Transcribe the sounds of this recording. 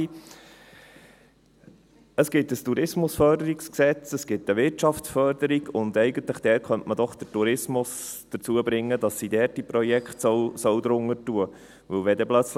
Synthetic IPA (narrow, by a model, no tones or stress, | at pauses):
əsɡ̥ɪtəstuɾɪsmʊsfœɾdəɾiksksɛt͡səsɡ̥ɪtəʋɪɾtt͡ʃɑft͡sfœɾdəɾiɡʊnd̪ɛɪɡən̩tləχd̥ɛːɾχœntməd̥ɔχd̥̪ətuɾɪsmʊsd̥əɾt͡suəbɾɪŋːədɑsːidɛːɾtipɾɔjɛkχtsɔwsœwd̪ɾʊŋətuə | ʋɵwʋɛdɛplœt͡sl